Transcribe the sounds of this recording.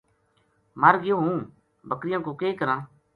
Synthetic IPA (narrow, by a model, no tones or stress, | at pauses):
məɾɡɪjõːɦũː | bəkɾɪjãːkoːkeːkəɾãː